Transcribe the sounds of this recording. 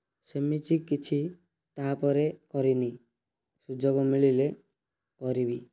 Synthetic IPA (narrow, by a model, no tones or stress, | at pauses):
semit͡ʃikit͡ʃʰi | t̪apɔɾekɔɾini | sud͡ʒoɡɔmiɭile | kɔɾibi